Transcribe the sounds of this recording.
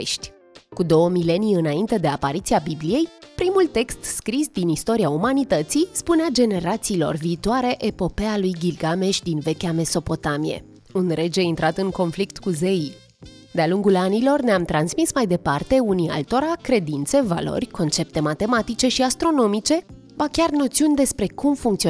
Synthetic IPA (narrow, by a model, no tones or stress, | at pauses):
ʃt̪ʲ | kud̪o̞wəmile̞nijɨnaint̪e̞d̪e̞apaɾit̪siabiblije̞jpɾimult̪e̞kst̪skɾisd̪inist̪o̞ɾiaumanit̪ət̪sispunead͡ʒe̞ne̞ɾat̪siːlo̞̰rviːt̪oaɾe̞ʔepo̞pealujɡʲilɡame̞ʃʲd̪inve̞kʲame̞so̞po̞t̪amijḛ | unɾe̞d͡ʒeint̪ɾʔat̪ɨŋko̞nflikt̪kuzei | d̪ealuŋɡulanilo̞rneamt̪ɾansmismajd̪e̞part̪e̞unia̰lt̪o̞ɾakɾe̞d̪int̪se̞va̰lo̞̰rʲko̞nt͡ʃe̞p̚t̪e̞mat̪e̞mat̪it͡ʃe̞ʃiast̪ɾo̞no̞mit͡ʃe̞ | bakʲarno̞t̪siunʲd̪e̞spɾe̞kumfuŋkt̪si